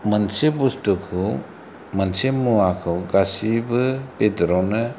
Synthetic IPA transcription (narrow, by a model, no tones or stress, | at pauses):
mənsebustɯkʰɯ | mənsemuakʰɯwɡasibɯb̥edɾɔnɯ